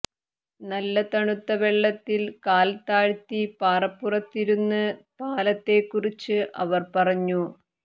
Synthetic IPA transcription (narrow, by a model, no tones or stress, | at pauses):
nɐlːɐt̪ɐɳut̪ːɐʋeɭːɐt̪ːilkaːlt̪aːɻt̪ːipaːrɐpːurɐt̪ːiɾunːɨpaːlɐt̪ːe̞kːurit͡ɕːɨʔɐ̰ʋɐrpɐrɐɲːu